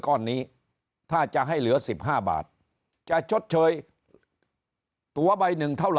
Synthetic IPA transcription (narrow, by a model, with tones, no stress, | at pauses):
kɔː˧˩nːiː˦˥ | t̪ʰaː˥˩t͡ɕa˨˩ɦa˥˩jlɯ˨˩˦ɐsi˨˩p̚ɦaː˥˩ba̰ː˨˩t̪̚ | t͡ɕa˨˩t͡ɕʰo˦˥t̪̚t͡ɕʰɤː˧j | t̪u˨˩˦ɐba˧jnɯ˨˩ŋt̪ʰa˥˩wl